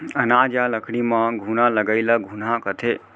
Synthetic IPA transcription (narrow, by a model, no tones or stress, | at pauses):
ənad͡ʒjaləkʰɽ̃imə̃ɡʱunaləɡəɪləɡʱun̤akət̪ʰe